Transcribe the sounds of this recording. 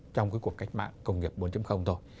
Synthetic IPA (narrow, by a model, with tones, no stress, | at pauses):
t͡ɕɔ˧wŋ͡mkuː˨˦jku˨˩əkːa˦˥jk̟̚ma̰ː˧˨ŋkə˧wŋ͡mŋi˨˩əp̚ɓo˨˦nt͡ɕɨ˨˦mxə˧wŋ͡mt̪ʰo˧j